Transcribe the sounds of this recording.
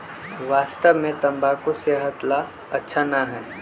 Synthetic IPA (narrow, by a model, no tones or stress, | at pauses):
ʋaːst̪əʋmẽt̪ɐ̃mbakoseːɦət̪la | ɐtːʃʰanaɦɛː